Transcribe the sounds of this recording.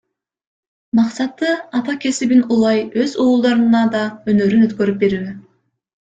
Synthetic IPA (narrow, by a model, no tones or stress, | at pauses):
mɑqsɑt̪ːɯɑt̪ɑkʲe̞sibinulˠɑjø̞zuːlˠd̪ɑɾɯnɑd̪ɑønøɾynøt̪kø̞ɾyp̚be̞ɾyːe